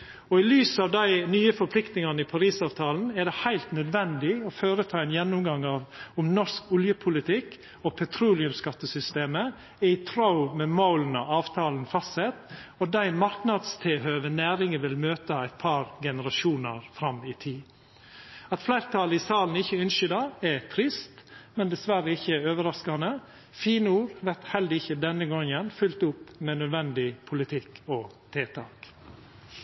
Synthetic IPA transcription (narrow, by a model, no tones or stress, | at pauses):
ɔɪlyːsɑːʋd̪æɪnyːəfɔɾpʰlɪkt̪nɪŋɑnəɪpʰɑɾiːsɑːʋt̪ʰɑːln̩æɖɛhæɪlt̪nœd̪ʋɛnd̪ɪɔføːɾət̪ʰɑːɛnjɛnːʊmɡɑŋɑːʋʊmnɔʂkɔljəpʰʊlɪt̪ʰɪk | ɔpʰɛt̪ʰɾuːlɪʉmskɑt̪ːəsʏst̪eːmə | æɪt̪ʰɾaʊmɛmaʊln̩ɑ̰ɑːʋt̪ʰɑːln̩fɑst̪sɛt̪ːɔd̪æɪmɑɾknɑd̪st̪ʰɪhøːʋənæːɾɪŋəʋɪlmøːt̪əæɪt̪̚pʰɑːɾɡɛnəɾɑʃuːnəɾfɾɑmiːt̪ʰiː | ɑt̪flæɪɾt̪ʰɑːləɪsɑːln̩ɪçːəʉnʃʏd̪ɑɛt̪ʰɾɪst̪mɛnd̪ɛsʋæɾəɪçːəɛøːʋəɾɑskɑnə | fiːnəuːɾʋæɾt̪hɛld̪əɪçəd̪ɛnːəɡɔŋːənfʉlt̪ʊpːmɛnœd̪ʋɛnd̪ɪpʰʊlɪt̪ʰɪkʰːɔt̪ʰeːt̪ʰɑːk